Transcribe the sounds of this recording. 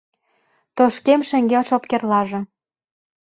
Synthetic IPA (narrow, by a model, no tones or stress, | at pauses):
t̪oʃkemʃɘ̆ŋɡelʃop̚kerlɑʒɤ̆